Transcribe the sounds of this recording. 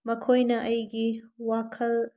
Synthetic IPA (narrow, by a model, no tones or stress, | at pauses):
mɐkʰojnɐʔɐjɡiwakʰɐl